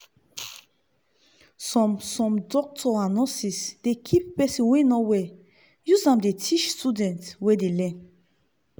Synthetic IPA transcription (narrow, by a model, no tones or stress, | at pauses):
sɔ̃msɔ̃mdɔk̚tʰɔanɔ̃sisd̥ekʰippɛsĩnwenɔwɛ | juzãmdetʰit͡ʃstudɛ̃ntwedelɛ̃n